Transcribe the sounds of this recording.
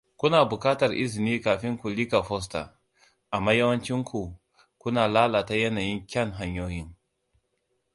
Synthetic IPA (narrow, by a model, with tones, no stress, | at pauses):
kʷʊ˦naː˨bʊ˨kaː˦tɐ˨rʔɪ̰˦zɪ˨niː˦kaː˨ɸɪ˦ŋkʷu˨li˦ka˨ɸɔ˦s̬ta̰˨ | ʔa˨mːaː˦jɐ˦wɐ˦nt͡ʃɪ˦ŋkʷu˨ | kʷʊ˦naː˨laː˦laː˨ta˦jɐ˦naː˨jɪ˦ŋkʲɐ˦ŋɦa˨ɲjoː˦jɪ˦ŋ